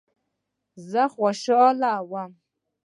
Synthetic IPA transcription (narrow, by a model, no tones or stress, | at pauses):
zaχʷaʃɨɔlaːwa